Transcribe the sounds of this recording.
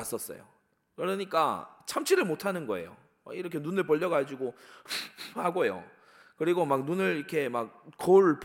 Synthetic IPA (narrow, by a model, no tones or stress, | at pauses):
as͈ʌs͈ʌ̰jo̰ | kɯɾʌɲik͈a̰t͡ɕʰamt͡ɕʰiɾɯɭmotʰanɯnɡʌe̞̰jo̰ | a̰iɾʌkʰe̞nunɯɭpʌʎːʌɡad͡ʑiɡo | haɡojo̰ | kɯɾiɡomak̚nunɯɭikʰe̞mak̚koɭp